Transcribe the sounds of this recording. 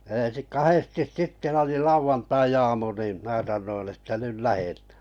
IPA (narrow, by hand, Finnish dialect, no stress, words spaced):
ẽːsi kɑhestis sitːe oli lɑuʋɑntɑiɑːmu niˑm mæː sɑnːoin etːæ nyl læhetæ̥ː